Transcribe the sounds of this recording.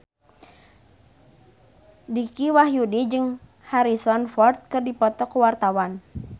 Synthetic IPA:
dikiwaɦjudid͡ʒɨŋ | haɾisɔnfɔrt̪̚kɨrdipɔt̪ɔkəwart̪awan

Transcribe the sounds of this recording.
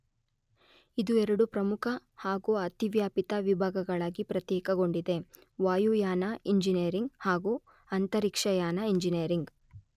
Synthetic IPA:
id̪uɛɾɐɽupɾɐmukʰɐhaːɡuɐt̪iʋjaːpit̪ɐʋibʱaːɡɐɡɐɭaːɡipɾɐt̪jɛːkɐɡo̞ɳɖid̪e̞ | ʋaːjuːjaːnɐiɲd͡ʒinɐɐɾiŋɡhaːɡu | ɐnt̪ɐɾikʂɐjaːnɐiɲd͡ʒinijɐɾiŋɡ

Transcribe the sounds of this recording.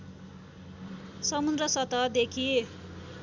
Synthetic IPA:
sʌmund̪rʌsʌt̪ʌd̪ekʰi

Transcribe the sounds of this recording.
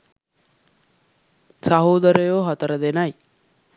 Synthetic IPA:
sɐɦoːd̪əɾəjoːɦat̪əɾəd̪enɐj

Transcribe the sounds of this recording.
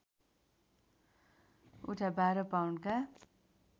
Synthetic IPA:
uʈʰabaɾʌpawnka

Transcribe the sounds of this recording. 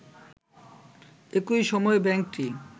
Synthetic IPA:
ekujʃɔmɔebɛŋk̚ʈi

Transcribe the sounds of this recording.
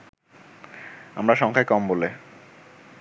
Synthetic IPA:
amɾaʃɔŋkʰaekɔmbole

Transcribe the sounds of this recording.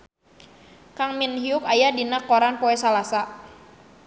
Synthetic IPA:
kaŋminɦiʊkajadinakːɔɾanpɔɛsalasa

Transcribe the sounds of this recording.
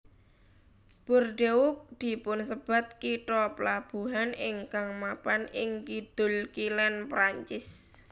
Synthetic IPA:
b̥orɖeʊk̚d̪̥i̤pʊnsəb̥a̤t̪̚kiʈɔpəlab̥ṳɦanɪŋkaŋmapanɪŋkid̪̥ʊ̤lkilɛnpɾaɲt͡ʃɪs

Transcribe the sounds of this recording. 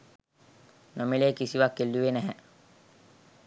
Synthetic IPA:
nomileːkisiʋakːelːuʋenæɦɛ

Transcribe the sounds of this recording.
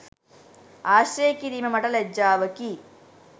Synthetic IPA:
aːʃɾeːkiɾimɐmɐʈɐled͡ʒaːʋɐki

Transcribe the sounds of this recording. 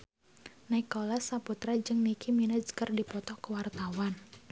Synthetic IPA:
naɪkːɔlasaput̪ɾad͡ʒəŋnikʰiminəd͡ʒkərdipɔt̪ɔkəwart̪awan

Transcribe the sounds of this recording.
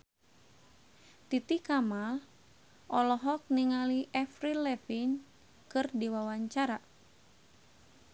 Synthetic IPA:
t̪it̪ikamal | ʔɔlɔɦɔk̚niŋaliʔɛfɾilɛfin | kɨrdiwawaɲt͡ʃaɾa

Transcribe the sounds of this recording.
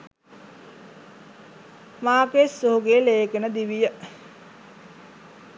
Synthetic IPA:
maːkesːuɦuɡeːleːkenəd̪iʋijə

